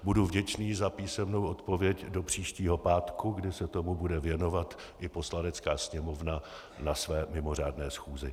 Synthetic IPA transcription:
buduvɟɛt͡ʃniːzapiːsɛmno̞wʔo̞t̪po̞vjɛcdo̞pr̝̥iːʃciːɦo̞paːt̪kuɡdɪsɛt̪o̞mubudɛvjɛno̞vat̪ | ʔɪpo̞slanɛt͡skaːsɲɛmo̞vna | nasvɛːmɪmo̞r̝aːdnɛːsxuːzɪ

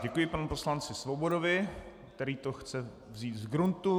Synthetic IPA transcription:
ɟɛkujɪpanupo̞slant͡sɪsvobo̞dovɪkt̪ɛɾiːt̪oxt͡sɛ | vziːt̪zɡɾunt̪u

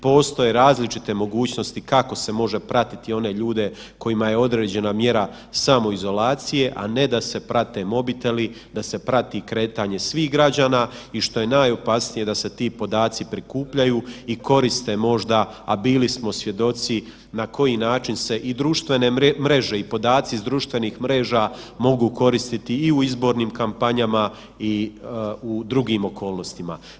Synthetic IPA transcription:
po̞ːst̪o̞je̞ɾaːzlit͡ʃit̪e̞mo̞ɡuːt͡ɕno̞st̪ikako̞se̞mo̞ʒe̞pɾat̪i̥t̪io̞ne̞ʎuːd̪e̞ | ko̞jimaje̞o̞d̪ɾe̞ːd͡ʑe̞namje̞ɾa | samo̞izo̞laːt̪sije̞ʔa̰ne̞d̪ase̞pɾat̪e̞mo̞bit̪e̞li | d̪ase̞pɾat̪ikɾe̞ːt̪aːɲe̞sʋiːhɡɾad͡ʑaːnaːiʃt̪o̞je̞naːjo̞pasnije̞d̪ase̞t̪iːpo̞d̪aːt̪sipɾikuːpʎajuːiko̞ɾist̪e̞mo̞ʒd̪aabiːlismo̞sʋje̞d̪o̞t̪si | nako̞jinaːt͡ʃinse̞ʔid̪ɾuːʃt̪ʋe̞nemɾe̞ʒe̞ipo̞d̪aːt̪siizd̪ɾuːʃt̪ʋe̞niːxmɾe̞ːʒaːmo̞ɡuːko̞ɾist̪it̪iːuizbo̞ɾniːmkampaɲama | i | ud̪ɾuɡiːmo̞kʰo̞ːlno̞st̪ima̰

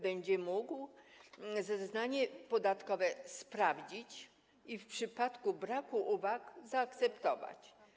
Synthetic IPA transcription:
bɛɲd͡ʑɛmuɡw | zɛznaɲɛpɔd̪at̪kɔvɛspɾavd͡ʑit͡ɕ | ifpʂɘpat̪kubɾakuʔuvakzaːkt̪sɛpt̪ɔva̰t͡ɕ

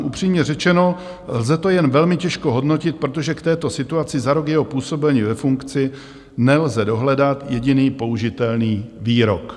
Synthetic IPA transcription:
ʔupr̝̥iːmɲɛrɛt͡ʃɛno̞ | lzɛt̪o̞jɛnvɛlmɪcɛʃko̞ɦo̞dno̞cɪt̪̚pɾo̞t̪̬o̞ʒɛkt̪ɛːt̪o̞sɪt̪uat͡sɪzaɾokjɛɦopuːso̞bɛlɲivɛfuŋkt͡sɪ | nɛlzɛdo̞ɦlɛdat̪jɛɟɪniːpo̞uʒɪt̪ɛlniːviːɾo̞̰k

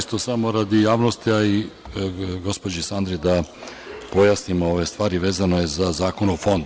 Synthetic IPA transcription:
ist̪osamo̞ɾad̪ijaːʋnost̪iai | ɡo̞spod͡ʒisand̪ɾid̪a | po̞jasnimoo̞ʋe̞st̪ʋaːɾiʋe̞ːzano̞je̞zazaːko̞nofo̞nd̪u

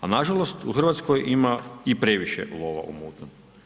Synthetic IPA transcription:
anaʒalost̪uxr̩ʋat̪skojʔimaipɾeʋiʃḛlˠoʋa̰ʔṵmuːt̪num

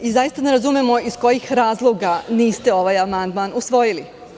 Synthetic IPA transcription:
izajist̪ane̞ɾazumemo̞isko̞jixɾaːzlˠo̞ɡaniːst̪e̞o̞ʋajamand̪manusʋo̞jili

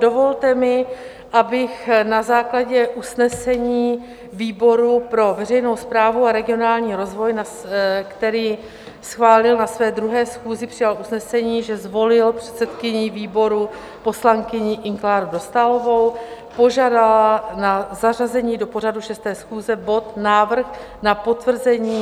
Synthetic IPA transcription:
do̞vo̞lt̪ɛmɪ | ʔabɪxnazaːklaɟɛʔusnɛsɛɲiː | viːbo̞ɾupɾo̞vɛr̝ɛjno̞wspɾaːvuaɾɛɡɪo̞naːlɲiːɾo̞zvo̞jna | kt̪ɛɾiː | sxvaːlɪlnasvɛːd̪ɾuɦɛːsxuːzɪpr̥ɪjalʔusnɛsɛɲiːʒɛzvo̞lɪlpr̥ɛ̥t̪sɛt̪kɪɲɪviːbo̞ɾu | po̞slaŋkɪɲɪʔɪŋklaːɾudo̞st̪alo̞vo̞w | po̞ʒaːdalanazarazɛɲiːdo̞po̞r̝aduʃɛst̪ɛːsxuːzɛbo̞t̪naːvr̩x | napo̞t̪vr̩zɛɲiː

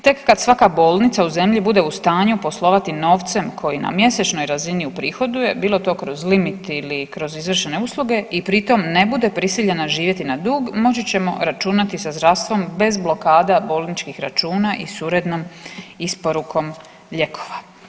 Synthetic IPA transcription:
t̪e̞kːad̪sʋakabo̞ːlˠnit̪sauze̞mʎibud̪e̞ust̪aːɲupo̞slˠo̞ʋat̪ino̞ːʋt̪se̞mkʰo̞jina̰mje̞set͡ʃno̞jɾaziniupɾiːxo̞d̪uje̞biːlˠo̞t̪o̞ːkɾo̞zlimit̪ilikɾo̞zizʋr̩ʃene̞uslˠuɡe̞ipɾit̪o̞mne̞bud̪e̞pɾisiʎe̞naʒiːʋje̞t̪inad̪uːɡmo̞t͡ɕit͡ɕe̞mo̞̰ɾat͡ʃunat̪isazd̪ɾaʋst̪ʋo̞mbe̞zblo̞kaːd̪abo̞ːlˠnit͡ʃkixɾa̰t͡ʃuːnaʔḭsuɾe̞d̪nomispo̞ɾukʰo̞m | ʎe̞kʰo̞̥ʋa

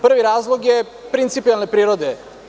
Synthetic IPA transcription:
pr̩ʋiɾaːzlˠoɡje | pɾint̪sipijalˠnepɾiːɾod̪e

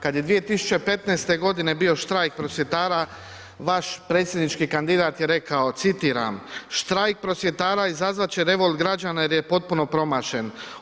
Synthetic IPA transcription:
kad̪je̞d̪ʋije̞t̪isu̥t͡ɕe̞pe̞t̪neːst̪e̞ɡo̞d̪ine̞bio̞ʃt̪ɾajk̚pɾo̞sʋʲjet̪aːɾa | ʋaʃpɾe̞ːt̪sʲje̞d̪nit͡ʃkikand̪id̪aːt̪je̞ɾe̞kao̞t̪sit̪iːɾa̰mʃt̪ɾajk̚pɾo̞sʋʲje̞t̪aːɾaizazʋat͡ɕeɾe̞ʋo̞lˠd̪ɡɾad͡ʑanaje̞ɾjepo̞t̪̚puno̞pɾo̞maːʃe̞n

